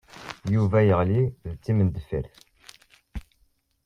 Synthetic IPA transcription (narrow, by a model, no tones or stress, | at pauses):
juvæjəʁliðt͡sːimənd̪əfə̰ɾθ